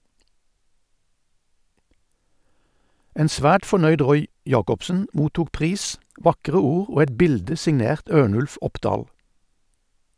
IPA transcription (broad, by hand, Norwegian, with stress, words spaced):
ˈeːn ˈsʋæːʈ fɔˈɳœʏd ˈʁɔʏ ˈjɑːkɔpsn̩ ˈmuːtuːk ˈpʁiːs ˈʋɑkʁə ˈuːʁ ˈoː ˈɛt ˈbɪldə sɪŋˈneːʁt ˈøːɳʉlf ˈɔpdɑːl